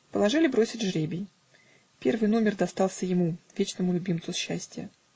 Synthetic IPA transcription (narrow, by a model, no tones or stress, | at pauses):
pəlˠɐʐɨlʲɪbɾo̞sʲɪtʲʐɾʲebʲɪj | pʲe̞rvɨjno̞mʲɪrd̪ɐst̪ɑlˠsʲəjɪmuvʲet͡ɕnəmʊlʲʊbʲimt̪ʊɕːæsʲtʲɪjə̰